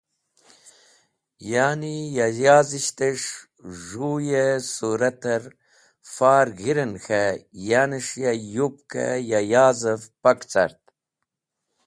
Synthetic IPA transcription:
jaːnijajaːziɕt̪eʂ | ʐujesuɾɐt̪ɐɾ | faːɾɣiɾɐnxajaːniʂjajupkʰa̰jajaːzɐfpɐkt͡sa̰ɾt̪̚

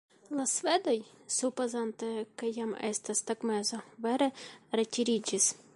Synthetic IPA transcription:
lˠɐsʋɛd̪ɔjsupɐzɑnt̪ekejamɛ̰st̪ɐst̪ɐkmɛzɔʋɛɾɛɾetʲiɾʲid͡ʒis

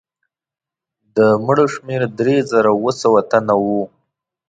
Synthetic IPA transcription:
d̪əməɽoʃmeɾd̪ɾezaɾawəsawat̪anawu

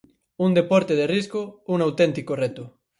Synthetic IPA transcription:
und̪epɔɾt̪eðeriskouŋawt̪ent̪ikoret̪o

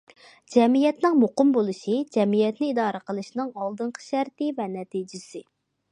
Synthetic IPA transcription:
d͡ʒɛmijɛt̪nɪŋmoqʊmbolˠɨʃid͡ʒɛmijɛt̪nɪid̪ɑːɾəqʰəlˠɨʃnɨŋɑlˠd̪ɨɴqʰə̥ʃæɾt̪ɪvɛnɛt̪id͡ʒɪsɪ

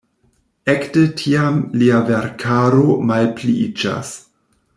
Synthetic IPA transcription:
ektetʰiamliaveɾkʰaɾomalpliid͡ʒa̰s

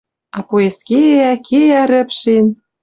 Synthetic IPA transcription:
ɑpoeskeækʰeæɾɘ̆pʃen

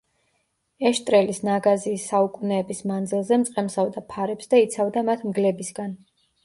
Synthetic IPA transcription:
ɛʃt̪ʼɾɛlisnaɡaziːsːaukʼunɛːbismand̪zilˠzɛmt̪sʼqʼɛmsavd̪apʰaɾɛpsd̪ait̪sʰavd̪amat̪ʰmɡlɛbisɡan

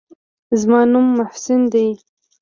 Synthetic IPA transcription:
zmɑnumːʊhsɪnd̪ej

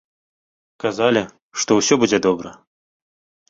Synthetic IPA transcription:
kazalʲi | ʂt̪ɔwsʲɔbud͡zʲɛd̪ɔbɾɐ̰

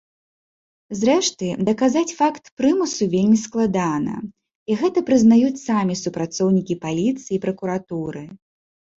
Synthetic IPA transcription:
zɾɛʂt̪ɨd̪ɐkazat͡sʲfakt̪pɾɨmusuvʲelʲmʲisklˠad̪anɐ̰ | iɣɛt̪ɐpɾɨznajut͡sʲsamʲisupɾat̪sɔwnʲikʲipalʲit̪sɨjiːpɾɐkuɾat̪uɾɨ

